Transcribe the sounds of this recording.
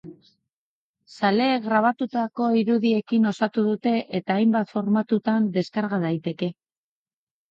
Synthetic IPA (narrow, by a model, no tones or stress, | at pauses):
sale̞ːɣɾaβ̞at̪ut̪ako̞iɾuðie̞kino̞sat̪uðut̪e̞ʔet̪aːjmbat̪fo̞ɾmat̪ut̪and̪e̞skaɾɣaðajt̪e̞ke̞